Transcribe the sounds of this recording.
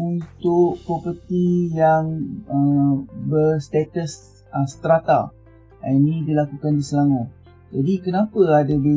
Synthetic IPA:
unt̪ʊʔpɾɔpərt̪ijaŋəbərst̪et̪əs | əst̪ɾat̪a̰l | inĩdilakukandisəlaŋõ | d͡ʒadikənãpəadabe

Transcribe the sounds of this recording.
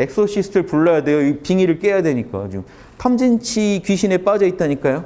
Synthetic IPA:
e̞k̚s͈ʰoɕʰisʰɯ̥tʰɯɭpuɭːʌjadwe̞joipiŋiɾɯɭk͈e̞jadwe̞ɲik͈a̰t͡ɕom | tʰamd͡ʑint͡ɕʰikɥiɕʰine̞p͈ad͡ʑʌit̚t͈aɲik͈ajo

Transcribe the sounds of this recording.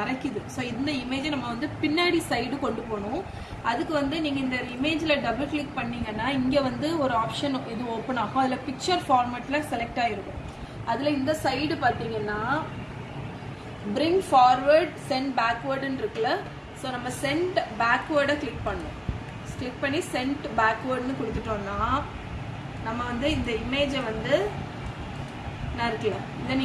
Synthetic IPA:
ɐɾɐkːɪðɯsoːɪnd̪ɐɪmeːd͡ʒnɐmːɐʋɐnd̪ɯpɪnːaːɽisɐɪɽɯkɔɳɖɯpoːɳʊ̃ | ʔɐðɯkːɯʋɐnd̪ɯniːŋɡɐɪnd̪ɐɪmeːd͡ʒɪlɐɖɐbɐlklɪkpɐɳːiːŋɡɐnːaːɪŋɡeːʋɐnd̪ɯɔɾɯaːpʂɐnɪðɯoːpːɐɳaːkʊ̃ɐðɪlɐpɪk̚t͡ʃɐɾfaːɾmaːʈːɪlɐsɛlɛk̚ʈaːɪɾɯkːʊ̰̃ː | ʔɐðɪlɐɪnd̪ɐsɐɪɽɯpaːɾt̪iːŋɡɐnːaː | bɪɾɪŋɡfaːɾʋɐɾɖsɛɳʈbaːkʋɐɾɖɯnɪɾɯkːɐlɐ | soːnɐmːɐsɛɳʈbaːkːʋɐɾɖɐkeːʈ̚pɐɳːõ̰ | sʈeʈ̚pɐɳːisɛɳʈbaːkʋɐɾɖnɯkɔɽɯt̪ːɯʈːõːnːaː | nɐmːɐʋɐnd̪ɯɪnd̪ɐɪmːeːd͡ʒɛʋɐnd̪ɯ | nãɪɾɯkːɐɭɐ̃ | ɪnd̪ɐn

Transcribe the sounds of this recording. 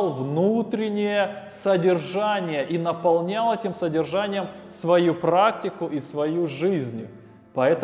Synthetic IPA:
lˠvnut̪ɾʲɪnʲɪjəsədʲɪrʐanʲɪjəʔinəpɐlˠnʲalˠɛtʲɪmsədʲɪrʐanʲɪjəm | svɐjupɾaktʲɪkʊʔisvɐjuʐɨzʲnʲʊ | pɐɛt̪ə

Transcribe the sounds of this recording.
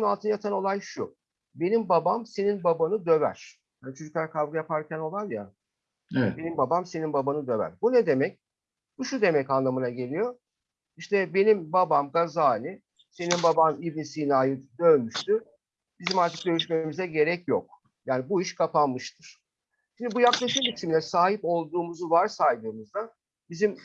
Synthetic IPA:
nalˠt̪ʰɯnajat̪ʰano̞lˠajʃu | be̞nimbabamse̞ninbabanɯd̪ø̞væ̰ɾ̥ | jaːnit͡ʃʰo̞d͡ʒuklˠaɾkʰavɡɯjapʰaɾcʰæno̞lˠalja | be̞nimbabamse̞ninbabanɯd̪ø̞væ̰ɾbunɛd̪e̞mɛc̚ | buʃud̪e̞mɛcanlˠamɯnaɟe̞lʲijo̞ | iʃt̪ʰɛbe̞nimbabamɡazaːnʲɯ | se̞ninbabanibnisinaːjɯd̪ø̞nmyʃt̪y | b̥izimaɾt̪ʰɯ̥k̚d̪ʲø̞lyʃme̞mizɛɟe̞ɾɛcjok̚ | jaːnibuiʃkʰapanmɯʃt̪ʰɯɾ̥ | ʃimnd̪ibujaklˠaʃɯmbit͡ʃʰimlʲɛsaːɦipo̞lˠd̪uːmuzuvaɾsajd̪ɯːmuzd̪a | bizim

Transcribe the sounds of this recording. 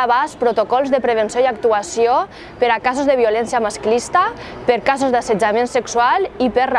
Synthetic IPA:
aβaspɾot̪okɔlˠzðəpɾəβənsjoiak̚t̪uasio | pəɾakazozðəβ̞iolɛnsjamasklist̪a | pəɾkazozðasəd͡ʒamẽnsəksualˠipər

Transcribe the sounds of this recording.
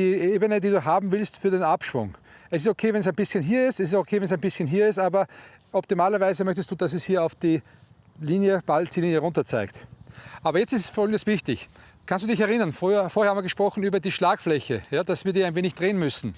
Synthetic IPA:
iːʔeːbənədiːduːɦaːbm̩vɪlstfyːɐdenapʃv̥ʊ̰ŋɛsɪstokʰeːvɛns̬æɪnb̥ɪsçənɦiːɐɪstɛsɪs̬okʰeːvɛns̬æɪnbɪsçənɦiːɐɪstaːbɐ | ɔp̚timaːlɐvaɪzəmœçtəstd̥uːd̥asɛshiːɐɑʊfd̥iː | liːnjəb̥alt̚d̥iːliːnjəʁʊ̃ntɐt͡sa̰ɪktʔaːbɐjɛt͡stɪsfɔɔlɡŋ̩ndəsv̥ɪçtɪç | kʰãnstd̥uːdɪçɛɐʁɪnɐnfyɐfoːɐhɛːɐhamiɐəɡəʃpʁ̥ɔxn̩yːbɐdiːʃlaːkflɛçəjaːd̥asv̥iːɐdiːæɪnveːnɪçd̥ʁeːənmʏsn̩

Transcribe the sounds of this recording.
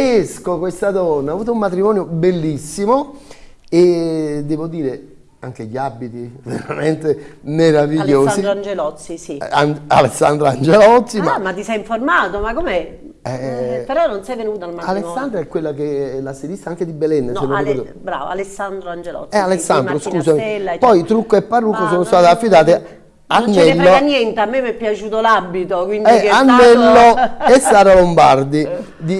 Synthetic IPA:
eskokwest̪ad̪ɔnːaːvuːt̪oumːat̪ɾimɔːnjobelːisːimo | ed̪ːɛːvod̪iːɾe | aŋk̟eʎiabit̪ivḛɾament̪emeɾaviʎːoːiɾand͡ʒelɔt̪sːisianalesːa̰nd̪ɾoand͡ʒelɔt̪sːimamat̪ːisɛjiɱformaːt̪omakːome | ɛpeɾɔnːonsɛjvenuːt̪almaalesːand̪ɾaɛkːwelːakelaseɾist̪aaŋked̪ibelɛnːsenoɛe | bɾa̰ːv̰a̰lesːand̪ɾoand͡ʒelɔ̰sɛalesːanɾoskusamipɔjt̪ɾukːoepːarːukːos̬oːnost̪aːt̪ɪafːit̪aːt̪e | anonːɛɛlːoanjɛnt̪eamːemɛpːjat͡ʃuːt̪olabːit̪okwinɛikanːɛlːoesːaːɾalombard̪i | d̪i

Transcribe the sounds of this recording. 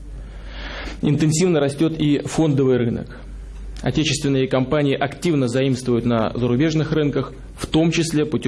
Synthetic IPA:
ɪ̰nt̪ɨnsʲivnəɾɐsʲtʲo̞t̪ifo̞nd̪əvɨjrɨnə̰k | ɐ̰tʲet͡ɕɪ̥st̪vʲɪnːəjəkɐmpanʲɪɪʔɐktʲivnəzɐimst̪vəjʊt̪nəzəɾʊbʲe̞ʐnɨxrɨnkəx | ft̪o̞mt͡ɕɪsʲlʲe̞pʊtʲ

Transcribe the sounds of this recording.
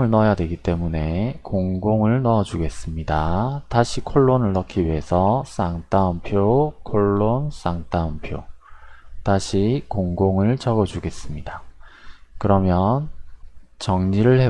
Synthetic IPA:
ɯɭnʌjadwe̞ɡit͈e̞mune̞koŋɡoŋɯɭnʌʌd͡ʑuɡe̞s͈ɯmɲidataɕʰikʰoɭːonɯɭːʌkʰiɥiɦe̞sʰʌs͈aŋt͈aunpʰjokʰoɭːons͈aŋt͈aunpʰjo̰ | taɕʰikoŋɡoŋɯɭt͡ɕʌɡʌd͡ʑuɡe̞s͈ɯmɲida | kɯɾʌmjʌn | t͡ɕʌŋɲiɾɯɭhe

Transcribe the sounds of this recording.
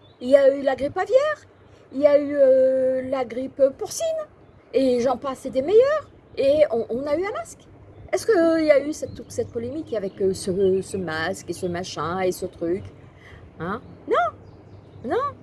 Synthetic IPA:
iljaylaɡʁipavjɛːʁ | iljayølaɡʁipøpuʁsin | eʒɑ̃pased̪emejœʁ | eɔ̃ʔɔ̃nayɛ̃mask | ɛskəiljaysɛt̪sɛt̪̚pɔlemikavɛkøsəsəmaskesəmaʃɛ̃esət̪χyk | ɛ̃nɔ̃ | nɔ̃

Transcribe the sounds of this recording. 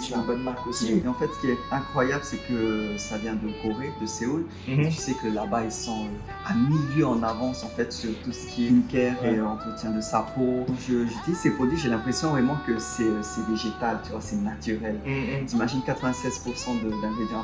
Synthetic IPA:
t̪ybɔnmaʁkosiimeɑ̃fɛt̪sə̥kʲiɛt̪ɛ̃kχwajabləsɛkəsavjɛ̃d̪əkoʁed̪əseul | ʒəsɛkəlabailsɔ̃ø | amiljøɑ̃navɑ̃sɑ̃fɛt̪syʁt̪usə̥kʲiɛkɛʁeɑ̃t̪χət̪jɛ̃d̪əsapoʒəʒyt̪ilizsɛpuʁd̪iʁʒelɛ̃pχesjɔ̃vʁɛmɑ̃kəsɛsɛveʒet̪alt̪yvwasɛnat̪yʁɛlʒimaʒinkat̪χəvɛ̃sɛzpuʁsɑ̃d̪əd̪ɛ̃ɡʁed̪jɛ̃

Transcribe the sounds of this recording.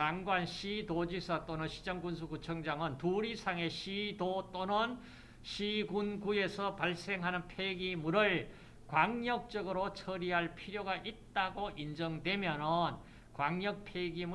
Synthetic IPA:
kaŋɡwanɕʰidod͡ʑisʰʌt͈onɯnɕʰi̥d͡ʑʌŋɡunsʰukut͡ɕʰʌŋd͡ʑaŋɯntuɾisʰaŋe̞ɕʰidot͈onɯn | ɕʰiɡunɡue̞sʰʌpaɭs͈e̞ŋɦanɯnpʰeɡimuɾɯɭ | kwaŋɲʌk̚t͡ɕ͈ʌɡɯɾot͡ɕʰʌɾiɦaɭpʰiɾjoɡaʔit̚t͈aɡoʔind͡ʑʌŋdwe̞mjʌnʌn | kwaŋɲʌk̚pʰeɡimu

